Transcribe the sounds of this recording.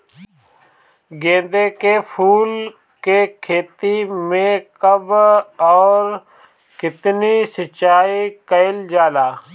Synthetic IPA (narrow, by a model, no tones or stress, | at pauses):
ɡẽːnd̪eːkeːpʰuːl | keːkʰeːt̪iːmẽːkəbɔːɾ | kɪt̪niːsət͡ʃaːiːkəɪld͡ʒaːlaː